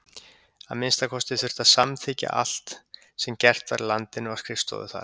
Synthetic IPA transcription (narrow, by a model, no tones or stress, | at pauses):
aðmɪnst̪akʰɔst̪ɪθʏr̥t̪aðsamt̪ʰɪːca̰ʔa̰l̥t̪ | sɛmcɛr̥t̪va̰ɾlant̪ɪnʏaskɾɪfst̪ɔ̰ðʏ̰θa̰ɾ̥